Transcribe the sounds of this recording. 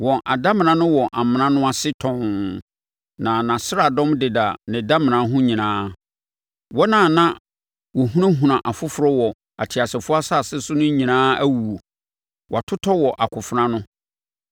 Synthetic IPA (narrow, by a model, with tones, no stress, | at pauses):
wɔ̃˨nʔa̰˨da˦mɪ̃˨nã˦nʊ̃˦wɔ˨ʔa˨mɪ̃˨nã˦nʊ̃˦a˦sɪ˦tʰɔ̃˨n | nã˨nã˨sɪ˦ɾa˨dɔ̃˦mdɪ˨da˨nɪ̃˨da˦mɪ̃˨nã˨˦ɦʊ̃˦ɲĩ˨nãː˦ | wɔ˦nãː˨nã˦ | wɔ˨ɦũ˦nã˦ɦũ˨nã˨ʔa˨fʊ˦fʊ˨ɾɔ˦wɔ˨ | a˨tʰɪ˨a˨sɛ˨fʊ˦a˦sa˦˨sɪ˦sʊ˦nʊ̃˦ɲĩ˨nãː˦æ˦wu˨o˨ | wɔ˨a˨tʰʊ˦tʰɔ˦wɔ˨ʔa˨kʰʊ˨fʊ˦ɾã˦nʊ̃˦